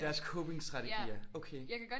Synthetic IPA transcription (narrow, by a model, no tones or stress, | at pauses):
d̥æɐskʰoʊb̥e̝ŋsd̥ʁɑ̈t͡sʰe̥ḭɐokʰeːjakæ̥